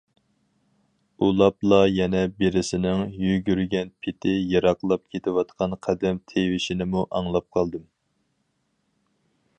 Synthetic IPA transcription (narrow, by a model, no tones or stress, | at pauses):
ulˠɑplˠɑjɛnɛbeɾɪsɪnɪŋjyɡʲyɾɡʲɛnpʰɪt̪ʰɪjɑɾɑqlˠɑp̚kʲʰet̪ʰɪwɑt̪qʰɑnqʰæd̪ɛmt̪ʰewɪʃɪnɪmuʔɑŋlˠɑp̚qʰɑlˠd̪ɨm